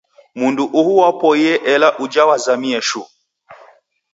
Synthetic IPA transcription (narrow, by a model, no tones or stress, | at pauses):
munduʔuhuwapɔiɛʔɛlaʔud͡ʒawazamiɛʃu